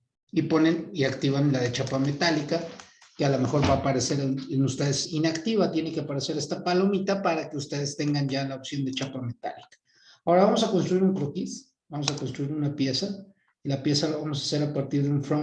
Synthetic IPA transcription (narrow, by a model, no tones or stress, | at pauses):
ipo̞ne̞niakt̪iβanlaðe̞t͡ʃapame̞t̪alika | kealome̞xo̞ɾβaːpaɾeseɾenust̪eðesinakt̪iβat̪je̞nekeapaɾe̞se̞ɾe̞st̪apalo̞mit̪apaɾake̞ust̪e̞ðest̪e̞ŋɡand͡ʒalaopsjo̞nd̪e̞t͡ʃapame̞t̪a̰likḁ | ao̞ɾaβamo̞sako̞nst̪ɾuiɾuŋkɾokis | bamosako̞nst̪ɾuiɾunapje̞sa | ilapje̞salaβamo̞sase̞ɾapaɾt̪iɾðeuɱfɾo